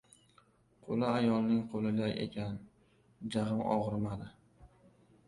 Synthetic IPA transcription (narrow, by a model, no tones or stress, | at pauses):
qʰolaajɒlˠnɪŋqʰolɪd̪aʔe̞̰kʲʰan | d͡ʒaʁɨmɒ̰ʁɨɾmad̪ɪ